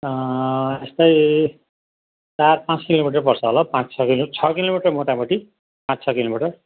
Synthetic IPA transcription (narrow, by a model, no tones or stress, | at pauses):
est̪ʌj | t͡sarpãt͡skilomiʈʌrpʌrsʰʌɦolʌpãt͡st͡sʰʌkilot͡sʰʌkilomiʈʌrmot̪apʌʈi | pãt͡st͡sʰʌkilomiʈʌr